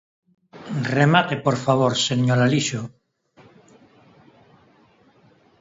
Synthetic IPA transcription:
remat̪e̞poɾfaβ̞oɾseɲolaliʃo

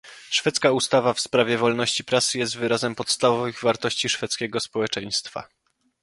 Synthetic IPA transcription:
ʂfɛt̪skaust̪avafspɾavʲjɛvɔlnɔɕt͡ɕipɾasɘjɛst̪vɘɾazɛmpɔt̪st̪avɔvɘɣvaɾt̪ɔɕt͡ɕiʂfɛt̪skʲɛɡɔspɔwɛt͡ʂɛj̃st̪fa̰

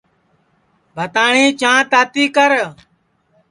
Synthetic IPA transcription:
bʱət̪aːɳĩːt͡ʃãːt̪aːt̪iːkəɾ

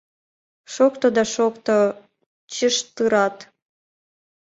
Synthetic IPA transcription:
ʃokt̪od̪ɑʃokt̪o | t͡ɕəʃt̪ɨɾɑt̪

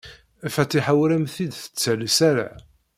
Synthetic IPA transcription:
æfæt̪ːiħawɾæmθid̪θə̥t͡sːælsæɾa̰ʕ

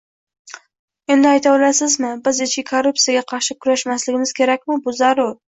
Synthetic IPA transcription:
e̞nd̪ɪajt̪ʰabɪlasɪzmɪbɪzɪt͡ʃkʲɪkʰoɾːʊp̚sijaɡʲaqʰɑɾʃɪkʰʊɾaʃmaslɪɡʲɪmɪzkʲʰe̞ɾak̚ʲmɪbʊzaɾʊɾ

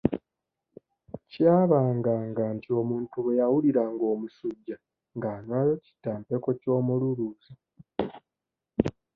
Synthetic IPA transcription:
caːβaːŋɡaːŋɡaːntʰio̞muːntuβwe̞jawuliɾaːŋɡo̞ːmusuɟːa | ŋɡaːnwaːjo̞ci̥tːaːmpe̞ko̞co̞ːmululuːza

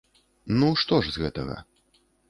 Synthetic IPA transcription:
nuʂt̪ɔʐzɣɛt̪ɐɣɐ̰

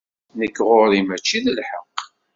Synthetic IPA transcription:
nəkːʁoɾimæt͡ʃːiðəlħə̰q

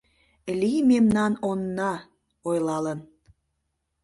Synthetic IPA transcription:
limemnɑnonːɑ | ojlɑlən

